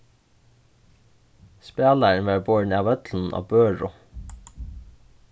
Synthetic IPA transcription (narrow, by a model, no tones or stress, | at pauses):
speːlæɳʋɑːɹboːɹɳɑːʋœt̪ln̩ʔɑ̰ːbøːɹʊ